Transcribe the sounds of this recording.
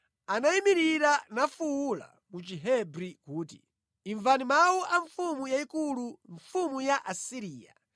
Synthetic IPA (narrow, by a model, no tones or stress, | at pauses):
anaimiɾiɾanafuwula̰ | mut͡ʃiɦɛbɾikuːtḭ | iɱvanimawuʔaɱfumujaikuluɱfumujaʔasiɾiːja̰